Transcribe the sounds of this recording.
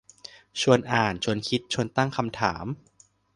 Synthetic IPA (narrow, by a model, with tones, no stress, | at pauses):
t͡ɕʰu˧ənʔaː˨˩nt͡ɕʰo˧ənkʰi˦˥t̪̚t͡ɕʰo˧ənt̪a˥˩ŋkʰa˧mt̪ʰa̰ː˩˦m